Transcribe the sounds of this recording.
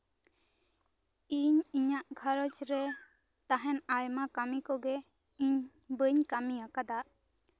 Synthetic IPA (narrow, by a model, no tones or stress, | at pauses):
iɲiɲaʔɡʱaɾət͡ʃɾɛ | t̪aɦɛnajmakamikɔɡɛ | iɲ | bəɲkamijakad̪aʔ